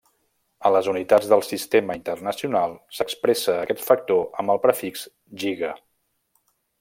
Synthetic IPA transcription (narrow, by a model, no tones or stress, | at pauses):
ələzunit̪ad͡zðəlˠsist̪eməint̪ərnəsiunalˠsəkspɾɛsəːkɛt̪fək̚t̪oʔəmbəlˠpɾəfikz | ʒiɣə